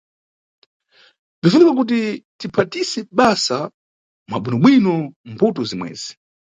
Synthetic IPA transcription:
vifunikak̬ut̬itipʰatisɛɓasa | ma̰ɓinɔɓwinɔmbutɔzimwɛ̰ːzi̥

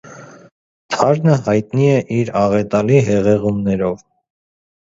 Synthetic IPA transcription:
t̪ʰɑɾnəhɑjt̪niɛʔiɾɑʁɛt̪ɑliɦɛʁɛʁumnɛɾɔv

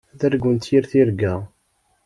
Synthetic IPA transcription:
ðæɾɡʷːənt̪jiɾθiɾɡæ

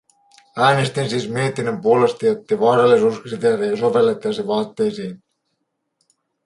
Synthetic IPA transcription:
æːne̞st̪insiːsmie̞t̪inːømpuo̞le̞st̪ijot̪ːeʋɑːɾɑlːisuːskrit̪eːɾejɑso̞ʋe̞lːet̪ːiɑseʋɑːt̪ːe̞jsiːn

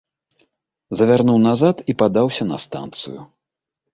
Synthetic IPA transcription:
zɐvʲarnuwnazat̪ipad̪awsʲɐnɐ̰st̪a̰nt̪sɨ̰ju

